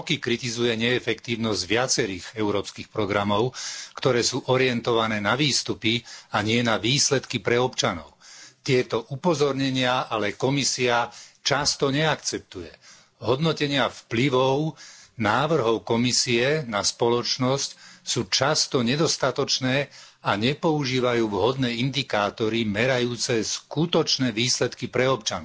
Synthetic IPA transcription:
kikɾit̪izujɛɲɛɛfɛkt̪iːʊnɔzɟʋɪat͡sɛɾiːɣɛʊɾɔːpskixpɾɔɡɾamɔʊkt̪ɔɾɛːsuːʔɔɾɪɛnt̪ɔʋanɛːnaʋiːst̪upiaɲɪɛnaʋiːslɛt̪kipɾɛɔpt͡ʃanɔ̰ʊt̪ɪɛt̪ɔʔupɔzɔɾɲɛɲɪaʔalɛkɔmisiat͡ʃast̪ɔɲɛakt͡sɛp̚t̪ujɛ | ɦɔd̪nɔcɛɲɪafpliʋɔʊnaːʋr̩ɦɔʊkɔmisiɛnaspɔlɔt͡ʃnɔscsuːt͡ʃast̪ɔɲɛd̪ɔst̪at̪ɔt͡ʃnɛːaɲɛpɔuʒiːʋajuːʋɦɔd̪nɛːind̪ikaːt̪ɔɾimɛɾajuːt͡sɛskut̪ɔt͡ʃnɛːʋiːslɛt̪kipɾɛɔpt͡ʃan

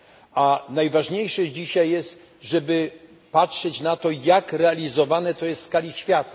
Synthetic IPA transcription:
anajvaʐɲejʂɛd͡ʑiɕajːɛst̪ | ʐɛbɘ | patʂɛt͡ɕnat̪ɔjakɾɛalʲizɔvanɛt̪ɔjɛst̪skalʲiɕfʲjat̪a

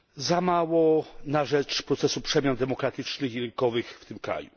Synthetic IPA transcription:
zamawɔnaʐɛt͡ʂpɾɔt̪sɛsupʂɛmʲjand̪ɛmɔkɾat̪ɘt͡ʂnɘxiɾɘŋkɔvɘxft̪ɘmkɾa̰ju

